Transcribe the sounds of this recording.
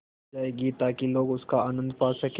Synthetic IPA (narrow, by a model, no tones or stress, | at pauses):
aːeːɡit̪aːkiloːɡʊskaaːnə̃nd̪ʱpaːsɐk